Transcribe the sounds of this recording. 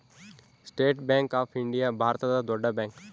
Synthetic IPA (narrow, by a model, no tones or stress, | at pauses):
sʈeːʈbɛ̃ːŋkaːpʰɪ̃ɳɖijabʱaːɾt̪əd̪ad̪oɖabɛ̃ːŋk